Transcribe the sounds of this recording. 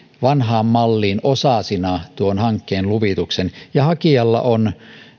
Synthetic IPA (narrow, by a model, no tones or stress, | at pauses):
ʋɑnɦɑːmːɑlːiːnosɑsinɑt̪uonhɑŋkːeːnluʋit̪uksenjɑhɑkiɑlːɑ̰ʔon